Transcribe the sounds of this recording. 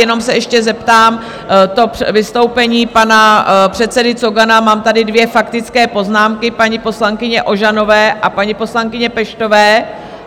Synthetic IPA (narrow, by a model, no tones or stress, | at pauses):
jɛno̞msɛɛʃcɛzɛpt̪aːm | t̪o̞vɪst̪o̞wpɛɲiːpanapr̝̥ɛt̪t͡sɛdɪt͡soɡanamaːmt̪adɪdvjɛfakt̪ɪt͡skɛːpo̞znaːmkɪpaɲɪpo̞slaŋkɪɲɛʔo̞ʒano̞vɛːʔapaɲɪpo̞slaŋkɪɲɛpɛʃt̪o̞vɛː